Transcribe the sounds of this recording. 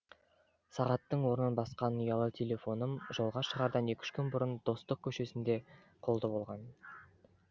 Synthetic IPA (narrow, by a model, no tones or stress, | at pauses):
sɑʁɑt̪ːəɴwo̞ɾənənbɑsqɑnːujɑlˠət̪ʲʰelʲe̞fo̞nəmʒo̞lˠʁɑʃəʁɑɾd̪ɑnekʲɪ̥ʃkʲʰʏnbʊɾənd̪̥o̞st̪əq̚kʲʰɵʃe̞sɪnd̪e̞ | qʰo̞lˠd̪əbo̞lˠʁɑn